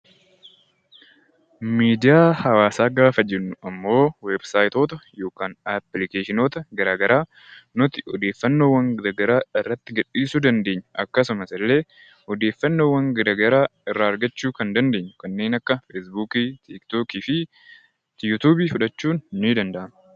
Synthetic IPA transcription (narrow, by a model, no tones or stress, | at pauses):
miːd̪ɪjaːhɐwaːsaːɡaːfɐd͡ʒɛnːʊɐmːo̞ːwebsaːjt̪oːt̪ɐjo̞ːkaːnɐplɪkeːʃɪnoːt̪ɐɡɐɾaːɡɐɾaː | nʊt̪ɪ̥ɔd̪eːfːɐnːowɐŋɡɐɾɐɡɐɾaːɪrːɐt̪ːɪɡɐᶑiːsud̪ɐnd̪e̞ːɲːʊ̥ʔɐkːɐsʊmɐsɪlːe̞ː | hɔd̪e̞ːfːɐnːoːwɐŋɡɐɾɐɡɐɾaːɪrːaːɐɾɡɐt͡ʃːuːkɐnd̪ɐnd̪e̞ːɲːʊ̥kɐnːe̞ːnɐkːɐfesbuːkiːt̪ʰikt̪oːkiːfɪ | t̪jʊt̪uːbiːfʊᶑɐt͡ʃːuːnːid̪ɐnd̪ɐʔɐmɐ